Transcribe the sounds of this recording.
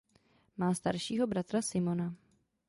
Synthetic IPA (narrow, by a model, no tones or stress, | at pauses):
maːst̪aɾʃiːɦo̞bɾat̪ɾasɪmo̞na